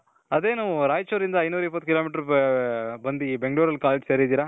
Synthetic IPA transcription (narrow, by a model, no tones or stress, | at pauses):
ɐd̪eːnuːɾaːjt͡ʃoːɾind̪ɐjnuːɾɐip̬ːɐt̪ːukiloːmiːʈɐɾ | bɐnd̪ibeŋɡɭuːɾɐlkaːled͡ʒseɾid̪iːɾa